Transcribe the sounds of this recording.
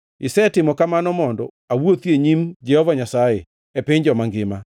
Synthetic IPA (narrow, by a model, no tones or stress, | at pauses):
ɪsɛtɪmɔkamanɔmɔndɔ | awwot̪jeɲimd͡ʒɛhɔvaɲasajḛ | ɛpɪɲd͡ʒɔmaŋɡɪma